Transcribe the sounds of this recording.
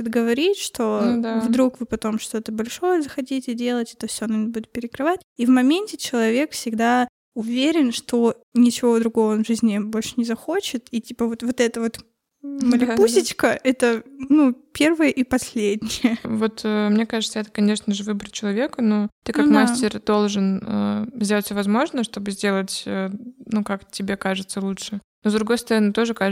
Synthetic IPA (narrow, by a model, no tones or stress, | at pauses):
ɪt̪ɡəvɐɾʲitʲʂt̪o̞d̪avd̪ɾukvɨpɐt̪o̞mʂt̪o̞t̪əbɐlʲʂo̞jəzəxɐtʲitʲɪdʲe̞lˠətʲɛ̥t̪ofsʲoɐnonʲbudʲɪt̪̚pʲɪɾʲɪkɾɨvat̚ʲivmɐmʲenʲtʲɪt͡ɕɪlˠɐvʲe̞kfsʲɪɡd̪a | ʊvʲeɾʲɪnʂt̪o̞ | nʲɪt͡ɕɪvo̞d̪ɾʊɡo̞vəonvʐɨzʲnʲɪbo̞lʲʂɨ̥nʲɪzɐxo̞t͡ɕɪt̪itʲipəvo̞t̪vo̞t̪ɛt̪əvo̞t̪ | məlʲɪpusʲɪt͡ɕkəʔɛt̪ənupʲe̞rvɨjəʔipɐsʲlʲedʲnʲɪjəvo̞t̪əmnʲe̞kaʐɨt̪səɛt̪ə̥kɐnʲe̞ʂnəʐɨvɨbɾət͡ɕɪlˠɐvʲe̞kəno̞t̪ɨkakmasʲtʲɪrd̪o̞lˠʐɨnə̰zʲdʲeətʲfʲsʲovɐzmo̞ʐnəʂt̪o̞bɨzʲdʲe̞lˠətʲənukaktʲɪbʲekaʐɨt̪səlˠutʂɨno̞zd̪ɾʊɡo̞jst̪ɐɾɐnɨt̪o̞ʐɨka